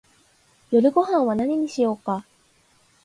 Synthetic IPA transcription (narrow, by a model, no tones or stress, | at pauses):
jo̞ɾɯ̟ɡo̞ɦãɰ̃βanaɲiɲ̟iɕijo̞ːka